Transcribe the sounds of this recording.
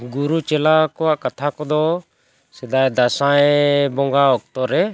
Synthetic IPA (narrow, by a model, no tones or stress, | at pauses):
ɡuɾut͡ʃɛlakɔwaʔkat̪ʰakɔd̪ɔ | sɛd̪ajd̪asãjbɔŋɡaɔk̚t̪ɔɾɛ